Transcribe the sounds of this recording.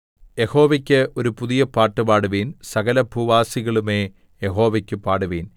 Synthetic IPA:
jeho̞ːʋɐkʲːɨʔo̞ɾupuðijɐpaːʈːɨbaːɽuʋiːnsɐɣɐlɐbʱuʋaːsiɣɐɭumeː | jeɦo̞ːʋɐkʲːɨpaːɽuʋiːn

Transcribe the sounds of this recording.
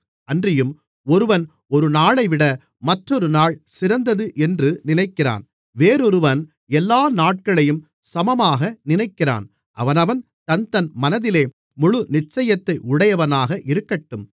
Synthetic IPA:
ɐndrɪjɯm | ɔɾɯʋɐn | ɔɾɯnaːɭɐɪʋɪɽɐ | mɐʈrɔɾɯnaːɭsɪɾɐnd̪ɐðɯʔɛndrɯnɪnɐɪkːɪra̰ːn | ʋeːɾɔɾɯʋɐn | ɛlːaːnaːʈ̚kɐɭɐjɯm | sɐmɐmaːɣɐnɪnɐɪkːɪra̰ːn | ʔɐ̰ʋɐnɐʋɐn | t̪ɐnt̪ɐnmɐnɐðɪleː | mʊɻʊnɪt͡ʃːɐjɐt̪ːɐɪʔʊɽɐjɐʋɐnaːɣɐʔɪɾɯkːɐʈːɯm

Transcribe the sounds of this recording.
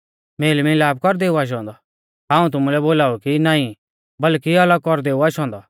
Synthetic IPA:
meːlmĩlaːb̚kɔɾd̪eːuaːʃ̬ɔ̃ːnd̪ɔ | ɦãːũt̪̬ʊmũlɛboːlaːukinaːĩ | bɐlkiɐləɡ̚kɔɾd̪eːuaːʃɔ̃ːnd̪ɔ

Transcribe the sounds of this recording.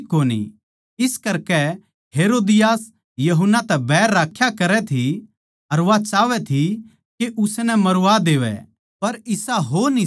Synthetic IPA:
koːnḭ | ɪskɐɾkɛ | ɦeːɾoːd̪ɪjaːs | jɐɦʊnːat̪ɛbɛːɾːaːkʰːjakɐɾɛt̪ʰi | ɐɾʋat͡ʃaːʋɛt̪ʰi | keʔʊsnɛmɐɾʊʋad̪eːʋɛ̰ | pɐɾɪsaɦoːni

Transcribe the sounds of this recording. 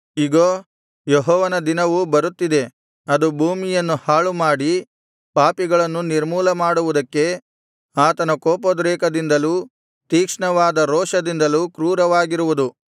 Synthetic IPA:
iɡoː | jeɦɔːʋɐnɐd̪inɐʋubɐɾut̪ːid̪e̞ | ɐd̪ubʱuːmijɐnːuhaːɭumaːɽi | paːpiɡɐɭɐnːuniɾmuːlɐmaːɽuʋud̪ɐkːe̞ | aːt̪ɐnɐkoːpod̪ɾɛːkɐd̪ind̪ɐluː | t̪iːkʂɳɐʋaːd̪ɐɾɔːʂɐd̪ind̪ɐluːkɾuːɾɐʋaːɡiɾuʋud̪u

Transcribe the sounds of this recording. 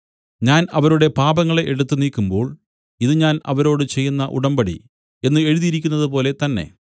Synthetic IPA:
ɲaːnɐʋɐɾuɽe̞paːbɐŋːɐɭeʔeɽut̪ːɨniːkːumbo̞ːɭ | iðɨɲaːnɐʋɐɾo̞ːɽɨt͡ɕe̞jːunːɐʔṵɽɐmbɐɽḭ | e̞nːɨe̞ɻuðiɾikʲːunːɐðɨpo̞ːle̞t̪ɐnːe̞̰

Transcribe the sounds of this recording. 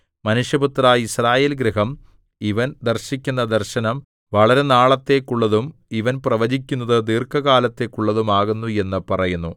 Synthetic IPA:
mɐnuʂjɐbut̪raːisraːje̞ːlɡɾiɦɐm | iʋɐnd̪ɐrɕikʲːunːɐd̪ɐrɕɐnɐm | ʋɐɭɐɾe̞naːɭɐt̪ːe̞kːuɭːɐðumiʋɐnprɐʋɐd͡ʑikʲːunːɐðɨd̪iːrkɐɣaːlɐt̪ːe̞kːuɭːɐðumaːɣunːue̞nːɨpɐrɐjunːu

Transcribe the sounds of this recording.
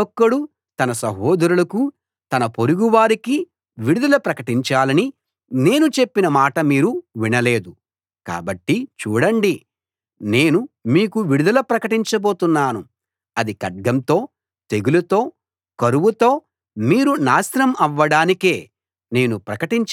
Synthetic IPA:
ɔkːɐɽu | t̪ɐnɐsɐɦɔːd̪ɐɾulɐku | t̪ɐnɐpo̞ɾuɡuʋaːɾiki | ʋiɽud̪ɐlɐpɾɐkɐʈiɲt͡ʃaːlɐni | ne̞ːnut͡ʃe̞pːinɐmaːʈɐmiːɾuʋinɐle̞ːd̪u | ka̰ːbɐʈːit͡ʃuːɽɐɳɖi | ne̞ːnumiːkuʋiɽud̪ɐlɐpɾɐkɐʈiɲt͡ʃɐbo̞ːt̪unːaːnu | ɐd̪ikɐɖ̚ɡɐmt̪o̞ː | t̪e̞ɡulɐt̪o̞ː | kɐɾuʋut̪o̞ː | miːɾunaːsɾɐmɐʋːɐɽaːnike̞ː | ne̞ːnupɾɐkɐʈiɲt͡ʃ

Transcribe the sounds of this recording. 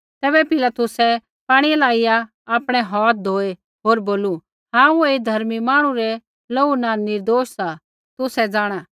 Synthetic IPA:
t̪ɛːbɛpɪlaːt̪ʊsɛ | paːɽ̃iɛlaːɪjaː | pɽ̃ɛɦɔːt̪̚d̪ʱoːe | ɦoːɾboːlu | ɦãːued̪ʱɐɾmimãːɽ̃ũɾɛ | lounanɪɾd̪oːʃsa | t̪ʊsɛd͡zaːɽ̃a

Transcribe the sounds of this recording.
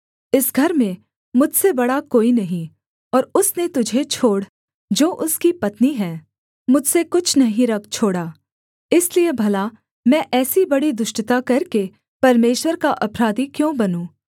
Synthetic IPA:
ɪsɡʱɐɾmẽ | mʊd͡ʒʱsebɐɽakoːinɐɦĩ | ɔːɾʊsnet̪ʊd͡ʒʱet͡ʃʰoːɽ | d͡ʒoːʔʊskipɐt̪niɦɛː | mʊd͡ʒʱsekʊt͡ʃʰnɐɦĩɾɐk̚ʰt͡ʃʰoːɽaː | ɪsliebʱɐla | mɛ̃ʔɛːsibɐɽid̪ʊʃʈt̪akɐɾke | pɐɾmeːʃwəɾkaʔɐpɾaːd̪ikjõːbɐnũː

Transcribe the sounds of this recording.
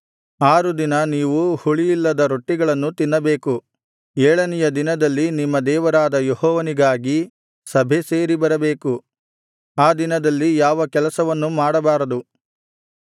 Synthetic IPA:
aːɾud̪inɐniːʋuhuɭijilːɐd̪ɐɾoʈːiɡɐɭɐnːut̪inːɐbe̞ːku | ɛːɭɐnɛjɐd̪inɐd̪ɐlːinimːɐd̪ɛːʋɐɾaːd̪ɐjohɔːʋɐniɡaːɡi | sɐbʱeseːɾibɐɾɐbe̞ːku | aːd̪inɐd̪ɐlːijaːʋɐkɛlɐsɐʋɐnːumaːɽɐbaːɾɐd̪u

